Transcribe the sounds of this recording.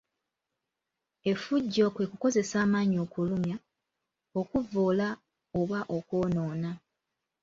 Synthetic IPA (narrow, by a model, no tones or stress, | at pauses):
e̞fuɟːo̞ːkwe̞kuko̞ze̞saːmaːɲoːkulumja | o̞kuvoːla | oβaʔokwo̞ːnoːna